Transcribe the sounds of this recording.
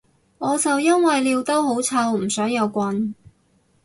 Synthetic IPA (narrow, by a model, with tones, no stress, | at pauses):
ŋɔː˨˧t͡sɐ˨wjɐ˥nwɐ˨jliː˧wt̪o˥who˨˥wt͡sʰɐ˧wm̩˨˩sœː˨˥ŋjɐ˨˧wkʷɐ˧n